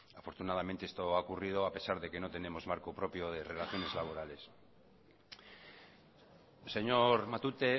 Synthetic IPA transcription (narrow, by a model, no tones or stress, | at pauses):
afo̞ɾt̪unað̞ament̪eest̪o̞aokurið̞o̞ape̞saɾðe̞ke̞no̞t̪e̞ne̞mo̞zmaɾkopɾo̞pjoðe̞re̞laθjo̞ne̞zlaβ̞o̞ɾale̞s | se̞ɲo̞ɾmat̪ut̪e̞